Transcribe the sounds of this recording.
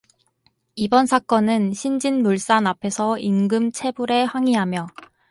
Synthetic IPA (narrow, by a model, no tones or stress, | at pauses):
ibʌnsʰak͈ʌnɯnɕʰind͡ʑinmuɭs͈anapʰe̞sʰʌinɡɯmt͡ɕʰe̞buɾe̞ɸwaŋiɦamjʌ